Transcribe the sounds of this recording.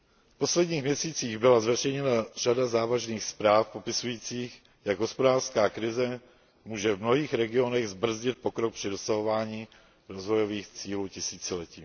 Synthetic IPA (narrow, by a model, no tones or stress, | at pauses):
fpo̞slɛdɲiːxmɲɛsiːt͡siːɣbɪlazvɛrɛjɲɛnar̝adazaːvaʒniːxspɾaːfpo̞pɪsujiːt͡siːx | jaɡɦo̞spodaːrskaːkɾɪzɛ | muːʒɛvmnoɦiːxɾɛɡɪo̞nɛɣzbr̩zɟɪt̪̚po̞kɾok̚pr̥ɪdo̞saɦo̞vaːɲiː | ɾo̞zvo̞jo̞viːxt͡siːluːcɪsiːt͡sɪlɛciː